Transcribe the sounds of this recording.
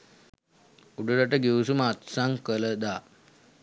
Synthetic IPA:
uɖuɾəʈəɡiʋusuməat̪saŋkələd̪aː

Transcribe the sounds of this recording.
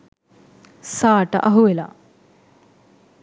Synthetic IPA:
saːʈə̰ʔɐɦuʋela̰

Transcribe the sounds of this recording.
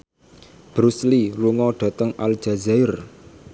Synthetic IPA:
b̥ɾusliluŋɔɖ̥a̤t̪əŋʔal̥d͡ʒ̥a̤zaɪr

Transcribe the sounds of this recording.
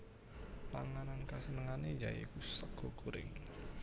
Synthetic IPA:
paŋanankasənəŋaned͡ʒa̰jḛkusəɡ̥ɔkuɾɪ̰ŋ

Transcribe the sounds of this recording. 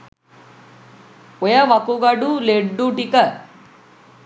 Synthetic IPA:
ɔjɐʋɐkuɡɐɖuleɖːuʈikɐ

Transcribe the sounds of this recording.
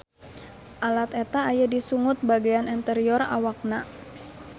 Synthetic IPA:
ʔalat̪et̪aːjadisuŋʊt̪̚baɡajanɛnt̪ɛɾiɔra̰wak̚na

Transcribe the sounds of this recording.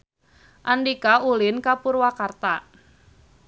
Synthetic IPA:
ʔanɖikaulɪnkapurwakart̪a

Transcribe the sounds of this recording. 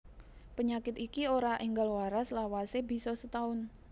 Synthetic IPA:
pəɲakɪt̪ikioɾaʔiŋɡalwaɾaslawasebi̤sɔsət̪aʊn

